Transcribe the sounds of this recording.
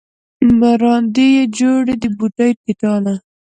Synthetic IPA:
maɾɑnd̪ijed͡ʒoɽed̪əbuʈajpiʈɑna

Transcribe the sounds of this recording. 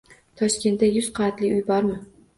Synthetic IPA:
t̪ʰɒʃkʲe̞nt̪ːajʊzqʰɑat̪lɪʊjbɒɾmɪ

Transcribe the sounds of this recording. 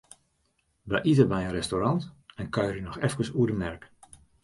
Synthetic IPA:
ʋəʔitəbɛjənrɛstoɾɑntɛnkœjrynɔxɛfkəsuədəmnɛrk

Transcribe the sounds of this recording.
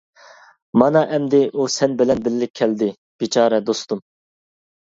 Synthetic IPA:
mɑnɑʔɛmd̪ɪʔusɛnbɪlɛnbɪlːɪkʲʰːɛld̪ɪ | b̥it͡ʃʰɑːɾɛd̪ost̪um

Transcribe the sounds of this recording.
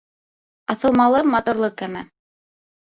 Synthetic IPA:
ɑθɤ̆lˠmɑlˠɤmɑt̪uɾlˠɤkːæmæ̰

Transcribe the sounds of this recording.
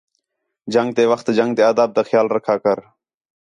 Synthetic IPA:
d͡ʒəŋɡ̚t̪eːʋəxt̪d͡ʒəŋɡ̚t̪eːəːd̪aːb̚t̪aːxjaːlɾəkʰaːkəɾ

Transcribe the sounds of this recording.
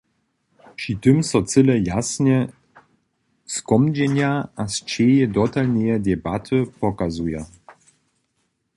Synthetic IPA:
pʂit̪ɨmsɔt͡sɘlɛjasnɛ | skɔmd͡ʑɛɲjaast͡ɕejɛd̪ɔt̪alnɛjɛd̪ʲɛbat̪ʰɨpɔkazuja

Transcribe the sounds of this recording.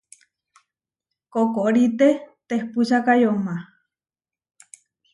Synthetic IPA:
kokoʔɾit̪et̪ehpuʃakajoma

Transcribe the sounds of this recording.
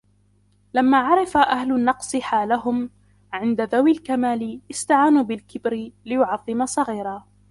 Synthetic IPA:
lamːaːʕɑɾˤɑfaʔahlʊnːɑqsˤɨħaːlaɦʊm | ʕɪnd̪aðawɪlkamaːlɪʔɪst̪aʕaːnuːbɪlkɪbɾɪlɪjʊʕɑðˤːɨmasˤɑɣiːɾaː

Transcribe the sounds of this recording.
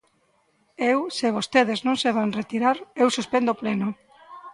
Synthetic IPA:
ewseβ̞ost̪eðeznõŋseβ̞aŋret̪iɾaɾewsuspend̪oplenʊ

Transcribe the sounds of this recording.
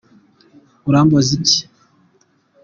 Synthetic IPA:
uɾaːmbozici̥

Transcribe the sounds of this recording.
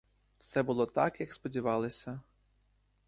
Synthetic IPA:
t̪sɛbʊlˠɔt̪ɑkjɐkspɔdʲiʋɑlˠɪsʲɐ

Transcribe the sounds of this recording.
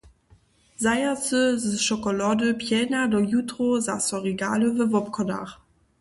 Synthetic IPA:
zajasəzəʃɔkɔlɔdəpʰjɛːnadɔjutʁozasɔʁiɡa̰ːləvəvɔpkʰɔna̰χ

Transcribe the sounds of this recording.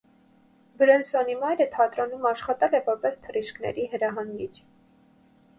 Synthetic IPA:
bəɾɛnsɔnimɑjɾət̪ʰɑt̪ɾɑnumɑʃχɑt̪ɛlɛvɔɾpɛst̪ʰəriʃknɛ̰ɾiɦəɾɑɦɑŋɡit͡ʃʰ

